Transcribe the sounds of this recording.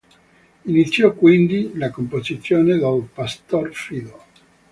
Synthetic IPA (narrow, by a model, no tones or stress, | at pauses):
init̪sːjɔkːwind̪ilakompozit̪sːjoːned̪alpast̪orfid̪o